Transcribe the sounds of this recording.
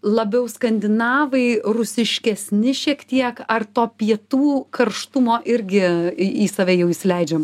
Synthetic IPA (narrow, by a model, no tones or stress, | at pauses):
lˠɐbʲɛʊskɐnʲd̪ʲɪnɑːʋɐɪrʊsʲɪʃʲkʲɛsʲnʲɪʃʲiɛkt̪ʲiɛkɐrt̪oːpʲiɛt̪uːkɐɾʃt̪ʊmoːʔɪɾʲɡʲɪiːsɐːʋʲɛjɛʊisʲlʲɛɪd͡ʒʲɛːm